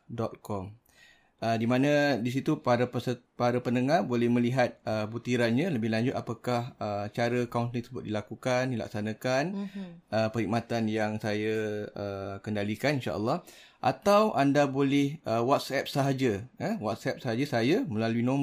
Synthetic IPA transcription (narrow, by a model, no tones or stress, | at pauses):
dɔt̪̚kɔm | ʔədimãnãdis̬it̪upaɾapəsəpaɾapənəŋabolɛhmə̃liɦat̪̚əbut̪iɾanɲaləbɪlaɲd͡ʒʊt̪apakahət͡ʃaɾəkaunt̪lit̪ə̥səbʊt̪̚dilakukandila̰k̚sanakanəpəɦik̚mat̪anjaŋsajaəkəndalikaninʃa̰ʔə̰lˠːɑh | ʔa̰t̪awʔandabolɪhʔəwɔt̪̚sɛp̚səɦad͡ʒəəwɔt̪̚sɛp̚saɦad͡ʒəsajaməlaluinom